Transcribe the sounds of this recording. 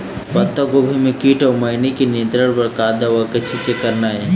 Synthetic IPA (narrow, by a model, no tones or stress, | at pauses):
pɐt̪ːaɡobʱimẽkiːʈɔːɾmɐɪnekiniə̃nt̪ɾəɽpɐɾkaːd̪aʋɐket͡ʃʰit͡ʃekəɾnaɦɛː